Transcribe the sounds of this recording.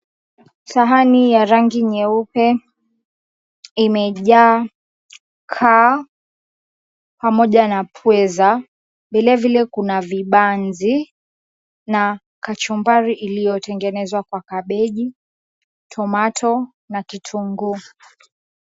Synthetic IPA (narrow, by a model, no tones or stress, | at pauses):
saɦanijaɾaŋɡiɲɛupɛ | imɛʄaː | kʰa | pamɔʄanapʰwɛza | vilɛvilɛkunaviɓanzi | na | kat͡ʃɔmbaɾiʔilijɔtɛŋɡɛnɛzwakwakaɓɛʄi | tʰɔmatʰɔ | nakitʰuŋɡu